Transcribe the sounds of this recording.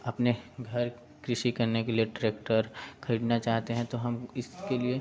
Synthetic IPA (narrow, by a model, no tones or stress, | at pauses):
ɐpneɡʱɐɾ | kɾɪʃikɐɾnekelieʈɾeːkʈəɾxɐɾiːɖnat͡ʃaːɦt̪eɦɛ̃t̪oɦɐmɪskelie